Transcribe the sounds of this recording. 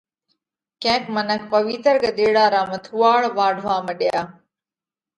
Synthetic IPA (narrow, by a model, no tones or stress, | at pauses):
kɛ̃ːkmənək̚pəʋit̪əɾɡəd̪eːɽaːɾaːmət̪ʰuːaːɭʋaːɖʱʋãːməɗjaː